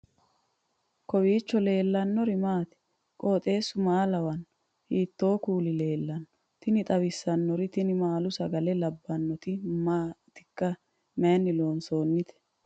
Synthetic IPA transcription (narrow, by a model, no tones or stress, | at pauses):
kɔbiːt͡ʃːɔle̞ːlːɐnːɔɾɪmaːt̪ɛ̥ | kʼo̞ːt̪ʼe̞ːsːʊmaːlɐwɐn | hiːt̪ːo̞ːkuːlɪle̞ːlːɐnɔ | t̪ɪnɪt̪ʼɐwɪsːɐnːɔɾɪt̪ɪnɪmaːlʊsɐɡɐlɛlɐbːɐnːɔt̪ɪmaːt̪ɪkːɐ | mɛnːɪloːnso̞ːnːɪt̪ɛ̥